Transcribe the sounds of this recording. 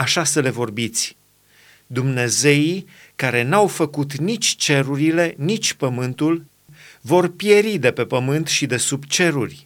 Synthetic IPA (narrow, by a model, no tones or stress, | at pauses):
aʃasəle̞vo̞rbit̪sʲ | d̪umne̞ze̞i | kaɾe̞nawfəkut̪nit͡ʃʲt͡ʃe̞ɾuɾile̞nit͡ʃʲpəmɨnt̪ul | vo̞rpje̞ɾid̪e̞pe̞pəmɨnt̪ʃid̪e̞subt͡ʃe̞ɾurʲ